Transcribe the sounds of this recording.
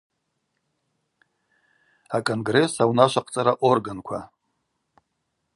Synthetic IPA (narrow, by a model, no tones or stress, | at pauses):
akʼonɡre̞sawnaʃʷaqʼt͡sʼaɾaʔo̞rɡankʷʰa̰